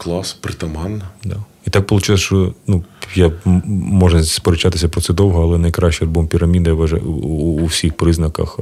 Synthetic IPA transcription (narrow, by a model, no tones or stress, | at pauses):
klˠɑspɾɪt̪ɐmɑnːɐd̪a | it̪ɑk̚pɔlˠʊt͡ʃɪlˠɐsʃt͡ʃɔnujamɔʒɐspɔɾet͡ʃat̪ɪsʲɐpɾɔt̪sɛd̪ɔwɦɔɐlˠɛnɐjkɾɑʃʲt͡ʃɛɐlbɔmpʲiɾɐmʲid̪ɐʋɐʒa̰ːwsʲixpɾɪznɐkɐ̰x